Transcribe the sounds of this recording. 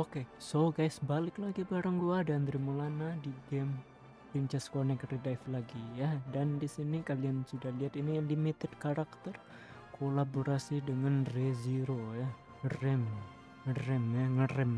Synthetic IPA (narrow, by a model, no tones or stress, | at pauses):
okesoɡajsbalɪklaɡibaɾaŋɡuadand̪ɾimulanadiɡɛm | pɾint͡ʃɛskonɛkridajflaɡijadandisinikaliansudahliat̪inijaŋlimit̪ɛd̚kaɾak̚t̪ər | kʰolaboɾasidəŋanreziɾoja | ŋərɛm | ŋərɛmjaŋəɾɛm